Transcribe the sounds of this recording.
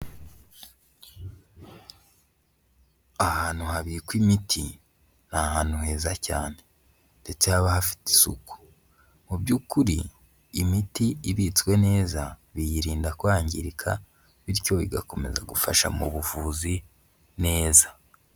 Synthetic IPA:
ahaːn̥uɦaβikwimitʰi | nahaːn̥uheːzacaːne̞ | nde̞t͡sehaβahafi̥ti̥sṵku̥ | mubɟuːkuɾiː | mitiiβit͡swe̞ne̞ːzaβijiɾiːndakwaːɲɟiɾikʰa̰ | βiɾco̞ḭɡako̞me̞za̰ɡufaʃa̰mṵβuvuːzi | ne̞ːza

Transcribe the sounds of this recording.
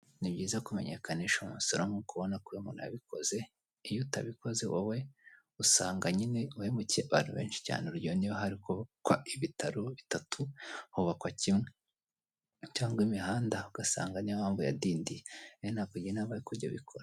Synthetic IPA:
nibɟiːzakume̞̰ɲḛkʰaneʃomusoɾomukuβonakuemuna̰βikʰo̞̰ze̞ | ijuta̰βiko̞zewowe̞ | usa̰ːŋɡaɲineuhemucieaβaːn̥uβe̞ːnʃi̥ca̰ːneuɾɟioniβaɦaɾikoβkwaiβitaɾoβitatʰuhuβakwacimŋe | caːŋɡwimihaːndauɡ̥asa̰ːŋɡanimaːɱvuja̰diːndijejonakuɟienaβaɾikuɾɟa̰βḭkʰoɾa

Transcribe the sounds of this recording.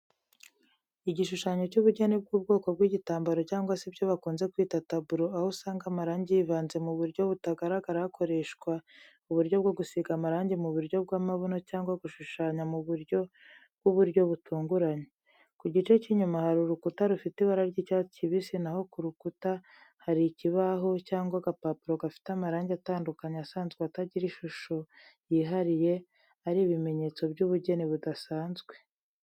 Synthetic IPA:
iɟiʃuʃaːɲo̞cuβuɾɟonib̚ɡuːb̚ɡo̞ːko̞bɡwiːɟitaːmbaɾo̞caːŋɡwasibjo̞βakuːnze̞kwiːtatabuɾoahosaːŋɡamaɾaːɲɟijivaːnze̞muβuɾɟo̞βutaɡaɾaɡaɾaakʰo̞ɾe̞ʃɡwa | uβuɾɟo̞bɡoɡusiɡamaɾaːɲɟimuβuɾɟo̞b̚ɡaːmaβonocaːŋɡwaɡuʃuʃaːɲamuβuɾjo̞ | bɡuβuɾɟo̞βutʰuːŋɡuɾaɲe | kuɟit͡ʃe̞ciɲumahaɾuɾukutaɾufitiβaɾaɾɟicaciβisinaho̞kuɾukuta | haɾiciβaɦo̞caːŋɡwaɡapaːpuɾo̞ɡafi̥tamaɾaːɲɟeataːndukaɲasaːnzɡweataɟiɾiʃuʃojiːɦaɾije̞ | aɾiβime̞ɲe̞t͡so̞bɟuβuɟe̞niβudasaːnzɡwe̞

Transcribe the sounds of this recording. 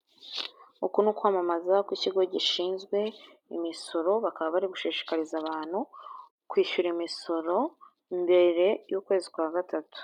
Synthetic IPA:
ukunukwamamazakwiciɡo̞ɟiʃiːnzɡwe̞ | ḭmiso̞ɾo̞βakaβaβaɾiɡuʃiːʃi̥kaɾizaβaːn̥hu | kwiːʃuɾimiso̞ɾo̞ | mbe̞ɾe̞juːkwe̞ːzikwaːɡatatu̥

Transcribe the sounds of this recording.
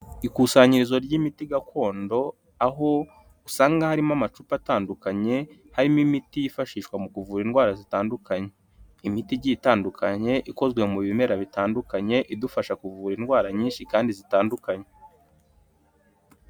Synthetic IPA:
ikuːsaːɲiɾizo̞ɾɟimitiɡakʰo̞ːndo̞ | aɦo̞ | usaːŋɡahaɾimamat͡ʃupataːndukaɲe̞ | haɾimimitijifaʃiːʃkwamukuvuːɾinɡwaːɾazitaːndukaɲe̞ | imitiɟitaːndukʰaɲe̞ʔiko̞zɡwe̞muβiime̞ɾaβitaːndukaɲe̞ʔidufaʃakuvuːɾinɡwaːɾaɲiːnʃikaːndizitaːndukaɲe̞

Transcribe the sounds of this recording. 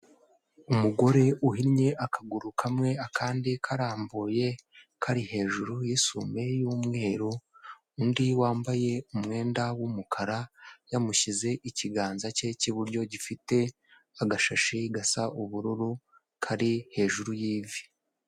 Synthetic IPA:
umuɡo̞ɾe̞ʔuɦiɾɲe̞ʔakʰaɡuɾukʰamŋe̞akʰaːndikʰaɾaːmbuje̞ | kʰaɾihe̞ːʒuɾujisume̞juːmŋe̞ːɾuː | ndiwaːmbaje̞umŋe̞ːndawumukʰaɾajamuʃize̞ʔiciɡaːnzace̞ciβuɾɟo̞ɟifite̞ | aɡaʃaʃiɡasaʔuβuɾuɾu | kʰaɾihe̞ːʒuɾujiːvi

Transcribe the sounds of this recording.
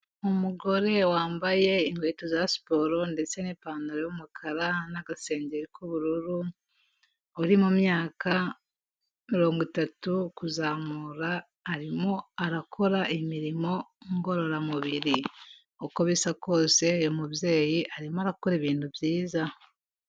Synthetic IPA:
umuɡo̞ɾe̞waːmbaje̞iŋɡwetozasi̥po̞ɾo̞nde̞t͡se̞nepaːnaɾejumukʰaɾanaɡase̞ːɲɟeɾikʰuβuɾuɾu | oɾimumjaːka | miɾo̞ːŋɡwitatukuzamuɾaː | ɾimo̞aɾakʰo̞ɾaʔimiɾimo̞ŋɡo̞ɾo̞ɾamuβiɾi | okoβisako̞ːse̞jomuβje̞ːjiʔaɾimoaɾakukoɾeβiːnduvjiːza

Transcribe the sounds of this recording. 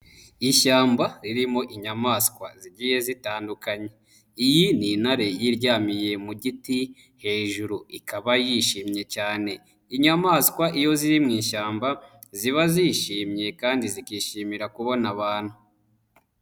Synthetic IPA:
iʃaːmbaɾiɾimo̞ʔiɲamaːskwa̰ziɟije̞zitaːndukaɲe̞ | ijininhaɾe̞jiɾɟaːmije̞muɟiti | he̞ːʒuɾuikaβajiʃiːmɲe̞caːne̞ | iɲamaːskwaʔijo̞ziɾimŋiːʃaːmba | ziβaziːʃiːmɲe̞kaːndizikiːʃimiɾakuβo̞naβaːnhu

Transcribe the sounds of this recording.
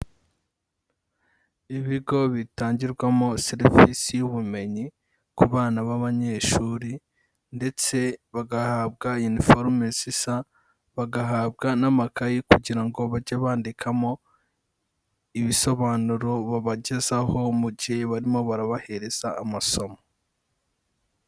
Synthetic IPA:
iβiɡo̞βitaːɲɟiɾɡwamoseɾivisijuβume̞ɲi | kuβaːnaβaβaɲe̞ːʃuːɾi | nde̞t͡se̞βaɡahaβɡajunifoɾmesisa | βaɡaɦaːβɡanamakajikuɟiɾaŋɡo̞βaɟaβaːndikʰamo̞ | iβiso̞βaːnuɾo̞βaβaɟezaho̞muɟiheβaɾimo̞βaɾaβahe̞ɾe̞z̥aːmaso̞mo

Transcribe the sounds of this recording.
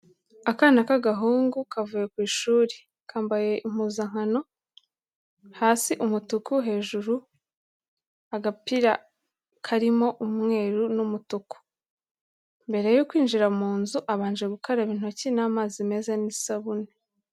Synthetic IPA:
akaːnakaɡaɦuːŋɡukavuːje̞kwiːʃuːɾe | kʰaːmbaje̞im̥uːzaŋ̥hano̞ | haːsiʔumutukuɦe̞ːʒuɾu | aɡapiɾa | kʰaɾimo̞ʔumŋe̞ːɾunumutuku̥ | mbe̞ɾe̞jukwiːnʒiɾamuːnzuʔaβaːnd͡ʒe̞ɡukoɾaβiːn̥o̞cinaːmaːzime̞zanisaβune

